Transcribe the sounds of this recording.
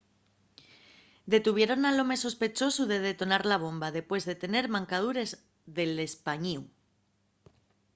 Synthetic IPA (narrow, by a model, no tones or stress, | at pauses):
d̪e̞t̪uβ̞je̞ɾo̞nalo̞me̞so̞spe̞t͡ʃo̞suðe̞ð̞e̞t̪o̞naɾlaβ̞o̞mbaðe̞pwe̞zðet̪e̞ne̞ɾmãŋkað̞uɾe̞z | ðe̞le̞spaɲiw